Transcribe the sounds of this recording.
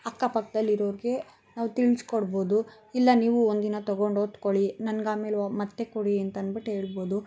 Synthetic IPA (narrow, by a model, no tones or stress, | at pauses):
ɐkːapɐkːɐd̪ɐlːiɾoːʋɾiɡe̞ | naːʋut̪iɭskoɽbo̞ːd̪u | ilːɐniːʋuond̪inɐt̪ɔɡoɳɖoːt̪koɭinɐnɡaːme̞ːlmɐt̪ːe̞koɽiɐnt̪ɐnbiʈeɦe̞ːɭbo̞ːd̪u